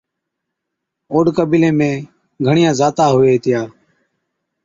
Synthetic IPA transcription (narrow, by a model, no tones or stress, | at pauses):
oːɖkəbiːlẽːmẽː | ɡʱəɳɪjãːzaːt̪aːɦʊʋeːt̪ɪjaː